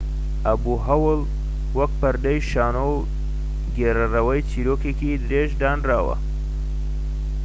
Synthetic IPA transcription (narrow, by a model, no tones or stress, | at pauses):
ʔɐbuːɦɐwɨl | wɐk̚pɐɾd̪ɐjʃaːnow | ɡeːɾɐrɐwɐjt͡siːɾoːkekid̪ɪɾeːʒd̪aːnraːwɐ̰